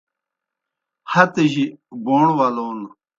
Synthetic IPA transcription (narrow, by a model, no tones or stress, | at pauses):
hɐt̪əʑiɡoːɳwaloːn